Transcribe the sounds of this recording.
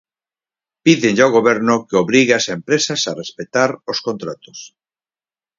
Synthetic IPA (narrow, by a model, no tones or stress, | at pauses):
piðenʎaoɣoβɛɾnʊkeoβɾiɣeasempɾesasarespet̪aɾoskont̪ɾat̪o̥s